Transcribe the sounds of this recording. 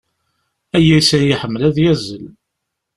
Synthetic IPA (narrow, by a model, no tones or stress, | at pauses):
æjæsæjiħəmːəlæðjæzːəl